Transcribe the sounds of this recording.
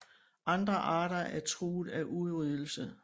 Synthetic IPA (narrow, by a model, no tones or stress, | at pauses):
ʔɑ̈nd̥ʁɐʔɑ̈ːɾɐʔæɐt͡sʰʁuːðˠæʔuðˠʁiðˠl̩sə